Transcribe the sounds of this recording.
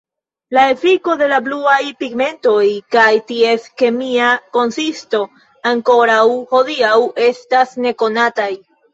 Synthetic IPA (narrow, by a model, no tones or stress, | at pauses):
lae̞fliko̞de̞labluajpiɡme̞nto̞jkajtie̞ske̞miako̞nsisto̞ | aŋko̞ɾawho̞diawe̞stasne̞ko̞nataj